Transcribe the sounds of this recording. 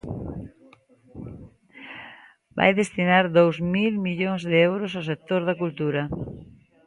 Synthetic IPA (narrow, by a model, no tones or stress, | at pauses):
ba̰jðest̪inaɾðowsmilmiʎoŋzðɪewɾʊsaws̬ek̚t̪oɾðɐkult̪uɾɐ